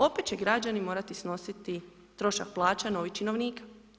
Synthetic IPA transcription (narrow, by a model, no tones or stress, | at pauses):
o̞pet̪t͡ɕe̞ɡɾad͡ʑanimo̞ːɾat̪isno̞sit̪i | t̪ɾo̞ʃak̚plˠaːt͡ʃano̞ʋit͡ʃino̞ʋniːkḁ